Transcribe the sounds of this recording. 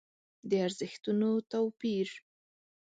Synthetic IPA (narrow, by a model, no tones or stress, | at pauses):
d̪əaɾzəxt̪unot̪awpiɾ